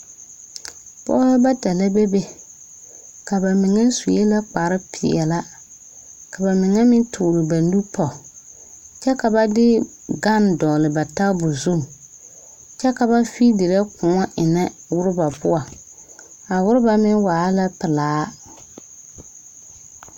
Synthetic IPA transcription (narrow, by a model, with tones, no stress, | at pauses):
pɔ̰˦ba˦ta˨la˦be˦be˦ | ka˨ba˨mɪ˨ŋɛ˦su˨e˦la˦k͡pa˨ɾɪ˦pʰɪ˨ɛ̰˨la˦ | ka˨ba˨mɪ˨ŋɛ˦mɪ˦tʰʊː˨ɾɪ˨ba˨n˦du˦pɔ˨ | t͡ʃɛ˦ka˨ba˦dɪ˦ | ɡa˦ndɔː˨lɪ˨ba˨ta˦bʊ˨zu˦˨m˨ | t͡ʃɛ˦ka˨ba˦fi˦dɪ˨ɾɛ˦kʊ˨ŋɔ˦ʔɪ˨nɛ˦wʊ˦ɾɪ˦ba˨pʊ˦a˨ | a˨wʊ˦ɾʊ˦ba˨mɪ˦waː˨˦la˦pɪ˨laː˨˦